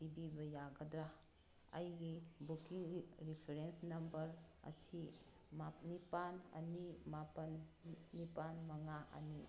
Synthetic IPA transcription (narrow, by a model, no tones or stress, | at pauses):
dibibɐjaɡɐdɾa | ɐjɡibukiŋɾipʰeɾensnɐmbɐɾɐ̰tʰi | manipanɐ̰nimapɐnːipanmɐŋaʔɐ̰ni